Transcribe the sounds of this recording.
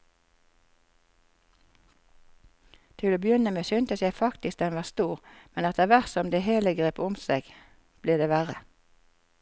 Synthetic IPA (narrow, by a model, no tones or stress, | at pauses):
t̪ʰɪloːbəjʏnəmeːsʏnt̪əsjæɪfɑkt̪ɪsk̚d̪ɛnʋɑːʁst̪uːʁmɛnɛt̪əʋæʁsɔmd̪eːheːləɡʁeːpəʊmseːɡ | b̥liːd̪eːʋæʁə